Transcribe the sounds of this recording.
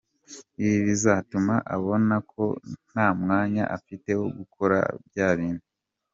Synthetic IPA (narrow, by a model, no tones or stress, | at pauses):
iβiβizatumaʔaβo̞nakʰo̞̰n̥aːmŋaːɲa̰ʔafite̞woɡukʰo̞ɾa̰bjaːβiːnu